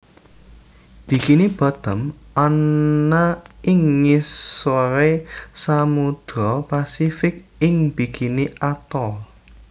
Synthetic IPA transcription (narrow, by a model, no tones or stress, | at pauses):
b̥i̤kinib̥a̤d̪̥ə̤manːaɪŋːissoɾesamud̪̥ɾɔpasifɪk̚ɪŋb̥ikiniʔat̪ɔ